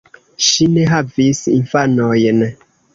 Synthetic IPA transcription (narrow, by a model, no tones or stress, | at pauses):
ʃineɦavisinfanojn